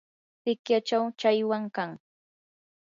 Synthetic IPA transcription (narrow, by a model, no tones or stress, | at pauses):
tɪkjat͡ʃawt͡ʃajwaŋkaŋ